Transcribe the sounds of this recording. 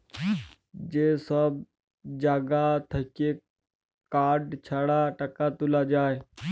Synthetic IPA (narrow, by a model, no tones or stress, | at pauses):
d͡ʒeːsəb̚ | d͡ʒaːɡat̪ʰɐke | kaːɾɖt͡ʃʰaɽaʈəkat̪ʊlad͡ʒaːe